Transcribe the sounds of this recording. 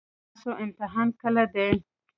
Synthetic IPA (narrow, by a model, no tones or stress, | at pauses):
soʔɪmt̪ɪɦɑnkəlad̪e